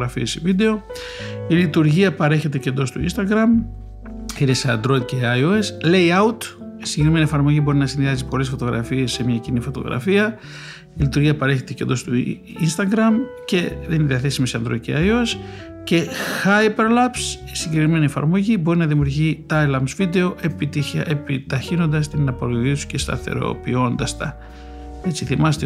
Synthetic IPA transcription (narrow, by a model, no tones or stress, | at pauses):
ɣɾɐfiesivid̪e̞o̞ | ilit̪uɾʝiɐpɐɾe̞çe̞t̪e̞ce̞nd̪o̞st̪uḭnst̪ɐɡɾɐm | ineseɐ̰nd̪ɾo̞id̪̚ceɐjoesle̞jɐut̪ | isiɲɟekɾime̞nie̞fɐɾmo̞ʝibo̞ɾinɐsinðiɐzipo̞le̞sfo̞t̪oɣɾɐ̰fie̞sːemɲɐcinifo̞t̪o̞̰ɣɾɐ̰fiɐ | ilit̪uɾʝiɐpɐɾe̞çe̞t̪e̞cend̪o̞st̪u | ḭnst̪ɐɡɾɐmce̞ðeniniðiɐθe̞simisɐnd̪ɾo̞ciɐjo̞s | ce̞xɐjpeɾlɐpsisiɲɟekɾime̞nie̞fɐ̰ɾmo̞ʝibo̞ɾinɐðimjuɾʝit̪ɐjlɐmsvid̪e̞o̞ʔe̞pit̪içɐ̰ʔepit̪ɐçino̞nd̪ɐst̪inɐpoɾoʝit̪u̥sce̞st̪ɐ̰θe̞̰ɾo̞̰pio̞nd̪ɐst̪ɐ | e̞t͡siθimɐset̪e